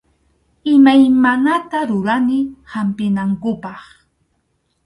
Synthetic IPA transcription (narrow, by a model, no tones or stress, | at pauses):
ɪmajmanat̪aɾʊɾanɪhampɪnaŋkʊpɑχ